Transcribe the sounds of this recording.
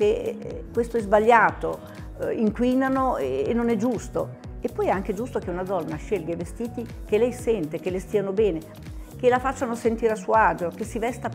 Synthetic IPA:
kekwest̪oɛzbaʎːaːt̪o | iŋkwinanoeenːonɛd͡ʒust̪o̰ | epːɔjɛaŋk̟ed͡ʒust̪ok̟eunad̪ɔnːaʃelɡevest̪iːt̪i | kelɛjsɛnt̪ekelest̪iːanobɛːne | k̟elafat͡ʃːanosent̪iːɾeasuoad͡ʒokesːivɛst̪a

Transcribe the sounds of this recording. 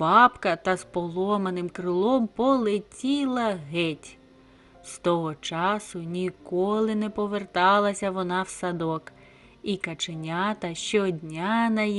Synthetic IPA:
bɑpkɐt̪ɐzpɔlˠɔmɐnɪmkɾɪlˠɔmpɔlˠetʲilˠɐɦɛtʲ | st̪ɔɦɔt͡ʃɑsʊnʲikɔlˠɪnɛpɔʋert̪ɑlˠɐsʲɐʋɔnɑwsɐd̪ɔk | ikɐt͡ʃenʲat̪ɐʃt͡ʃɔdʲnʲanɐ

